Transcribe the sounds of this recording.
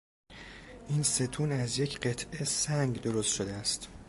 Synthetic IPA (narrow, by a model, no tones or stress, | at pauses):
ʔiːnse̞t̪ʰuːnæzje̞cʰɢe̞t̪ʰʔesæŋɡd̪o̞ɾost̪ʃod̪eæst̪